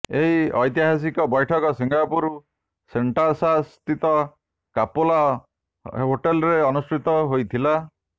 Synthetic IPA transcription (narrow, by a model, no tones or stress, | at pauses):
eɦiɔjt̪iɦas̬ikɔbɔjʈʰɔkɔsiŋɡapuɾu | seɳʈasast̪it̪ɔ | kapola | ɦoʈelɔɾeɔnusʈɾit̪ɔɦojt̪ʰila